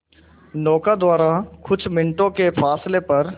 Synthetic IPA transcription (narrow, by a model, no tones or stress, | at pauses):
nɔːkad̪waːɾakʰʊt͡ʃʰmɪ̃ɳʈõkepʰaːslepɐɾ